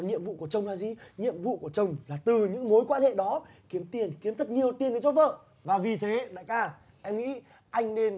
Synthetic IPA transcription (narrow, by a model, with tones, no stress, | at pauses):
nɲḭ˧˨əmvṵ˧˨ku˧˩ət͡ɕə˨˩wŋ͡mlaː˧˩zi˧˨ɲḭ˧˨əmvṵ˧˨ku˧˩ət͡ɕə˨˩wŋ͡mlaː˨˩t̪ɨ˨˩ɲɨ̰˧˥ŋmo˨˦jkwaː˧nhḛ˧˨ɗɔ˨˦ | ki˨˦əmt̪i˧˩ənki˨˦əmt̪ʰə˦˥t̚ɲi˨˩əwt̪i˧˩ənkə˨˧˦t͡ɕɔ˨˦və̰ː˧˨ | vaː˨˩vi˨˩t̪ʰe˨˦ɗa̰ː˧˥˨jkaː˧˩ | ʔɛ˧mŋḭ˧˥ | ʔa˧jŋ̟ne˧n